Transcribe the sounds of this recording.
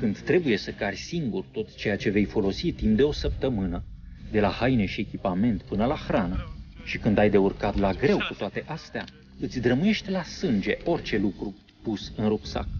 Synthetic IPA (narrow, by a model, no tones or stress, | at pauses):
kɨnd̪t̪ɾe̞buje̞səkarʲsiŋɡurt̪o̞t̪t͡ʃe̞jat͡ʃe̞ve̞jfo̞lo̞sit̪imp̚d̪e̞o̞səp̚t̪əmɨnəd̪e̞lahajne̞ʃiekʲipame̞nt̪pɨnəlaxɾanəʃikɨnd̪ajd̪e̞urkat̪laɡɾe̞wkut̪oat̪e̞ʔast̪ea | ɨt̪sʲd̪ɾəmuje̞ʃt̪ʲlasɨnd͡ʒe̞ʔo̞rʲt͡ʃe̞lukɾu | pusɨnrupsa̰k